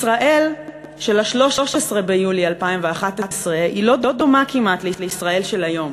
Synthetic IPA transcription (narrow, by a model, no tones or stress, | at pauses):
isʁaʔe̞l | ʃelaʃlo̞ʃoʃesʁe̞bejulialpaimveaχatasʁeʔilo̞do̞d̪omakimat̪leleisʁae̞lʃe̞lajo̞m